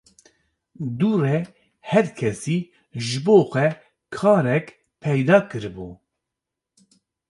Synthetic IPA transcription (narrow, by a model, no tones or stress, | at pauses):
d̪uːrɛ | hɛɾkʰɛsiː | ʒɨboːxʷɛ | kʰɑːɾɛk | pʰɛjd̪ɑːkɨɾɨbu